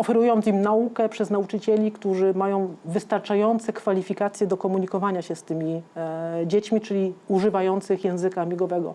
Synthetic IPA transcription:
ɔfɛɾujɔnt̪imnaukɛpʂɛznaut͡ʂɘt͡ɕelʲikt̪uʐɘmajɔ̃w̃vɘst̪aɾt͡ʂajɔnt̪sɛkfalʲifʲikat̪sʲjɛd̪ɔkɔmuɲikɔvaɲaɕɛst̪ɘmʲi | d͡ʑet͡ɕmʲit͡ʂɘlʲiuʐɘvajɔnt̪sɘxjɛ̃w̃zɘkaːmʲiɡɔvɛɡɔ̰

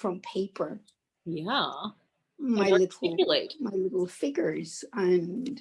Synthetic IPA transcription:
fɹʌ̃mpʰeɪpʰə˞ | jæ | maɪlɪɾl̩ɪjlˠeɪtmaɪlɪɾl̩ˠfɪɡjə˞z̥ɨ̃n

